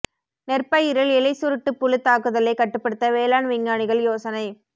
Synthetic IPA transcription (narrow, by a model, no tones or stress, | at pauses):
nɛrpɐjɪɾɐlɛlɐɪsʊɾɯʈːɯpːʊlɯt̪ːaːkɯðɐlɐɪkːɐʈːɯpːɐɽɯt̪ːɐʋeːlaːnʋɪŋɡaːɳɪɣɐɭjoːsɐnɐɪ